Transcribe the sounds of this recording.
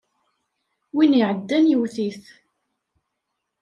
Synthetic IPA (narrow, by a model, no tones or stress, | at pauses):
winiʕəd̪ːænjəwθiθ